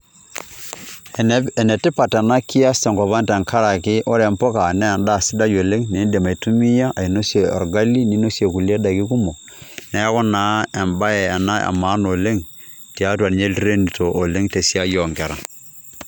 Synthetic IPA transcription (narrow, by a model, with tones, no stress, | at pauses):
ɛ˨nɛ˨tɪ˦pa˨tɛ˨na˦ki˦a˦sɛ˨ŋkɔ˨pa˦ntɛ˨ŋkʰa˦ɾa˨kɪ˦ʔo˦ɾɛ˦mpɔ˦ka˨nɛ˦˨nda˦˨sɪ˦da˦jo˨le˦ŋne˨˦de˨ma˨i˨tu˦mi˦ja˦ʔa˨i˨no˦sje˨ɔ̰˨ɾɡa˦li˦ni˦no˦sje˨ku˨le˦da˨ki˦ku˦mo˨ | nɛ˦kɔ˦na˨˦ɛ˨mba˦ɛː˨na˦a̰˨maː˨˦no˨le˦ŋ | ti˨a˦twa˨n˨ɲe˦lɾe˦ni˨tʰo˨ʔːle˦ŋte˨si˦a˦jɔ˨ŋkɛ˨ɾa˨